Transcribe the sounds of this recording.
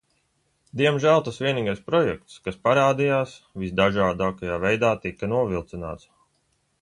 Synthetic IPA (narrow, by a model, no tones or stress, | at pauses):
d̪iɛmʒælˠt̪asʋʲiɛniːɡajspɾɔjɛk̚t̪skaspaɾaːd̪ijaːsvisd̪aʒaːd̪aːkajaːvɛjd̪aːt̪ikɐnuɔvilˠt̪sina̰ːt̪s